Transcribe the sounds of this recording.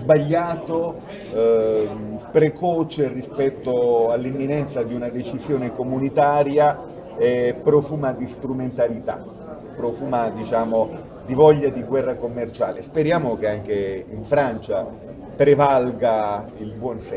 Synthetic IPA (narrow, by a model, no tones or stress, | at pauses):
zbaʎːaːt̪o | pɾekɔt͡ʃerispɛt̪ːoalːimːinɛnt̪sad̪iunad̪et͡ʃizjoːnekomunit̪aːɾja | epːɾɔfuːmad̪ist̪ɾument̪alit̪a̰ | pːɾɔfuːmad̪it͡ʃaːmo | d̪ivɔʎːad̪iɡwɛrːakomːert͡ʃa̰ːlespeɾjaːmok̟eaŋk̟eiɱfɾant͡ʃa | p̪ɾevalɡailbwɔnsɛ